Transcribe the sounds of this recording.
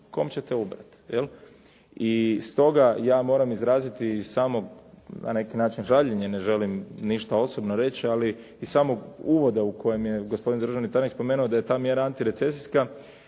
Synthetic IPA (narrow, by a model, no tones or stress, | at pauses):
ko̞̰ːmt͡ɕet̪eubɾa̰t̪jḛlˠ | ist̪o̞ɡajaːmo̞ɾamizɾaːzit̪iːzsaːmo̞ɡna̰ne̞kinaːt͡ʃinʒaʎeɲene̞ʒe̞limniʃt̪ao̞so̞bnoɾe̞t͡ɕialiː | zsaːmo̞ɡuːʋo̞d̪auko̞je̞mje̞ɡo̞spo̞d̪ind̪ɾr̩ʒaʋnit̪anikspo̞meːnuod̪aje̞t̪aːmje̞ɾaant̪iɾe̞t̪se̞siska